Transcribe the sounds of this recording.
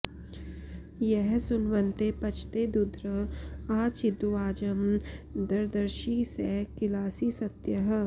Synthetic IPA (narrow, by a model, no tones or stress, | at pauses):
jɛɦsʊnʋənt̪epɐt͡ʃʰt̪ed̪ʊd̪ɾəaːt͡ʃɪd̪uʋaːd͡ʒɐmd̪ɐɾd̪əɾʃisekɪlaːsisɐt̪jɐɦ